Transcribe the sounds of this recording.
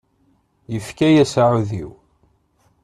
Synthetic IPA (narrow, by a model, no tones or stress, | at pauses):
jəfkæjæsaʕuðiw